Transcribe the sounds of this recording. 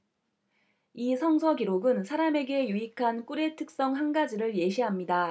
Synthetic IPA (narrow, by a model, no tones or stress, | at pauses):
isʰʌŋsʰʌɡiɾoɡɯnsʰaɾame̞ɡe̞juikʰank͈uɾe̞tʰɯk̚s͈ʌŋɦanɡad͡ʑiɾɯɭje̞ɕʰiɦamɲida